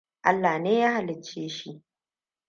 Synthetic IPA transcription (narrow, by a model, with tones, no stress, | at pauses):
ʔa˦lːa˨neː˦jaː˦ha˨lɪ˨t͡ʃːeː˦ʃi˦ʔ